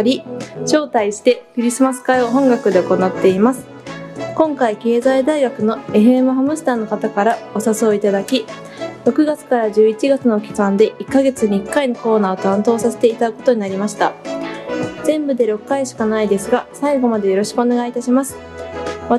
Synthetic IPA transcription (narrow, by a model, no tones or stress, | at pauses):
ɾʲiɕo̞ːt̪aiɕi̥t̪e̞kɯ̟ɾʲisɨmasɨ̥kaioɦõ̞ŋɡakɯ̟d̪e̞oko̞nat̪ːe̞imasɨ̥ | kõ̞ŋkaike̞ːzaid̪aiɡakɯ̟no̞e̞ɸɯ̟e̞mɯ̟ɦamɯ̟sɨ̥t̪aːno̞kat̪akaɾao̞saso̞ːit̪ad̪akʲi | ɾo̞kɯ̟ɡat͡sɨ̥kaɾaʑɨːit͡ɕiɡat͡sɨnoːkʲi̥kãnd̪e̞ʔikːaɡe̞t͡sɨɲiːkːaino̞ko̞ːnaːot̪ãnt̪o̞ːsase̞̥t̪e̞it̪aɯko̞t̪o̞ɲ̟inaɾʲimaɕi̥t̪a | z̥ẽ̞mbɯ̟d̪e̞ɾo̞kːaiɕi̥kanaid̪e̞sɨɡasaiɡo̞mad̪ejo̞ɾo̞ɕi̥kɯ̟o̞ne̞ɡait̪aɕimasɨ̥ | ma